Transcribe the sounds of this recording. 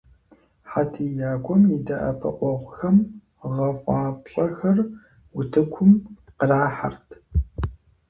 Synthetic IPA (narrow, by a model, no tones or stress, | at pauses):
ħatʰiːjaːkʷʰɔmjidɐʔɐ̰pʰɐ̰qʷʼɔʁʷʊxɐm | ʁɐfʷʼɑːpɕʼɐxɐr | wʊtʰɨkʷʰʊmqəraːħa̰rtʰ